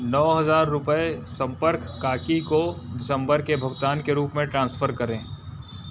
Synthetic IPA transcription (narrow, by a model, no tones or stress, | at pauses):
nɔːɦɐzaːɾːʊpəesɐ̃mpəɾkːaːkikoɖɪsə̃mbəɾkebʱɐɡt̪aːnkeɾuːpmẽʈɾãːnsfʰəɾkɐɾẽː